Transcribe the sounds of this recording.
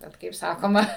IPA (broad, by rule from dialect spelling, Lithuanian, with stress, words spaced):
ˈbʲɛt kɐɪp ˈsɑːkoːmɐ